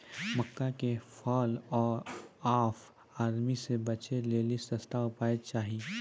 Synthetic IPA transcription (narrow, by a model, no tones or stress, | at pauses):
mɐkːakefʰɔːlɔːɾaːf | aːɾmisebɐt͡ʃeleːlisɐst̪aʊpaːet͡ʃaːɦie